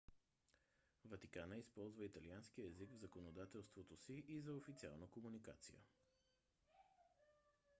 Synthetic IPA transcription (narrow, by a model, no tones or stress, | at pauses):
vɐt̪ikanəispɔlˠzvəit̪ɐlianskiəɛzikvzəkonod̪at̪ɛlˠst̪vot̪osiʔizɐofit̪sia̰lˠnəkomunika̰t̪sḭjə̰